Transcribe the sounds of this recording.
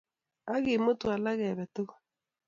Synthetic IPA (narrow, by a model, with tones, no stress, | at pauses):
a˦ɣɪ˨mo˦twa˨la˦ɣɛ˨βɛ˨tʊ˦ɣḁ˦